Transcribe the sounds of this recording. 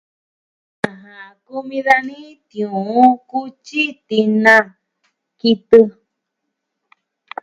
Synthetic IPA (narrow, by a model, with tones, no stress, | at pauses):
ã˨ɦã˨ku˦mĩ˧ða˦nĩ˦t̪ĩ˨ũ˨ũ˦ku˦t͡ʃi˦t̪i˧nã˧ | ki˧t̪ɨ˧